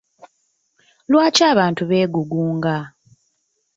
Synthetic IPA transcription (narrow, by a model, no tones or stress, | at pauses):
lwaːcaːβaːntuβe̞ːɡuɡuːŋɡa